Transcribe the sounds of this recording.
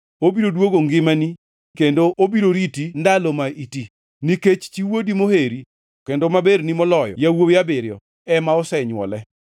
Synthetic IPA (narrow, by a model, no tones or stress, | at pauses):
obiɾodwoɡoŋɡɪmani | kendoʔobiɾoɾitindalɔmaiti | niket͡ʃt͡ʃiwodimoheɾi | kendomabeɾnimɔlɔjɔ̰jawojabɪɾjɔ̰ | ɛmaɔsɛɲwɔ̰lɛ